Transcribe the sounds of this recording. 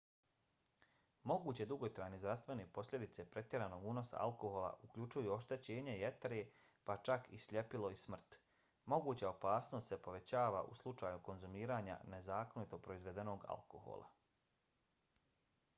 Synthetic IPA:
mo̞ɡuːt͡ɕe̞d̪uɡot̪ɾaːjnizd̪ɾast̪ʋe̞nepo̞slʎʲe̞d̪it̪se̞pɾe̞t̪je̞ɾaːno̞ːɡuno̞sa̰a̰lˠko̞ɦoːla̰ʔukʎʲut͡ʃujuo̞ʃt̪e̞t͡ɕe̞ːɲeijet̪eɾe̞ | pat͡ʃakisʎʲe̞pilo̞ismr̩t̪ | mo̞ɡuːt͡ɕao̞paːsno̞st̪sepo̞ʋe̞t͡ɕaːʋa̰ʔṵslˠut͡ʃaːjuko̞nzumiːɾaːɲa̰ne̞zaːko̞nit̪o̞pɾo̞izʋe̞d̪e̞no̞ːɡa̰lko̞̰ho̰ːlˠʔa̰

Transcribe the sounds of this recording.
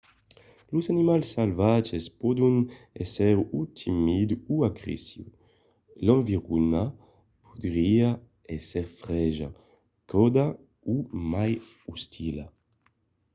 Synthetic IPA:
luzanimalsalvad͡ʒespɔd̪unɛsɛɾut̪ʰimid̪uuaɡɾḭsjṵ | lãɱviʁuna | pʰud̪ɾia | ɛseɾfɾɛʒa̰ | kʰɔd̪a | umaj | ust̪ʰila

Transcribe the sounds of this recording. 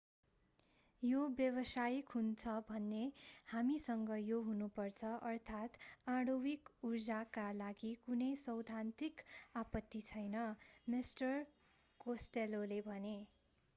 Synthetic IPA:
jobjʌbʌsajikɦunt͡sʰʌbʱʌnːehamisʌŋɡʌjoɦunupʌrt͡sʰʌʔʌrt̪ʰat̪ãɽowikurd͡zakalaɡikunʌjsʌwd̪ʱant̪ikapʌt̪ːit͡sʰʌjnʌmisʈʌr | kosʈelolebʱʌne

